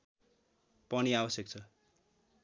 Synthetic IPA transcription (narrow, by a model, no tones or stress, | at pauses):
pʌniabʌsjek̚t͡sʰʌ